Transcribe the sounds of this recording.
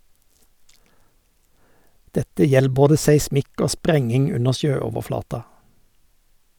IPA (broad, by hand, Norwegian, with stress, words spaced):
ˈdɛtə ˈjɛl ˈboːdə sæɪˈsmɪk ˈoː ˈspɾɛŋɪŋ ˈʉnə ˈʃøːɔʋəˌflɑːtɑ